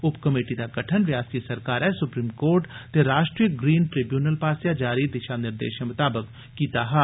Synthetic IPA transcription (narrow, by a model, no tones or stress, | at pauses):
ʊpkəmeːʈid̪aɡɐʈʰənʋjaːsisɐɾkaːɾɛsʊpɾiːmkoːɾʈt̪eɾaːʃʈɾijəɡɾiːnʈɾɪbjuːnəlpaːsjad͡ʒaːɾid̪ɪʃanɪɾd̪ḛːʃemʊt̪aːbəkː | iːt̪aɦɛː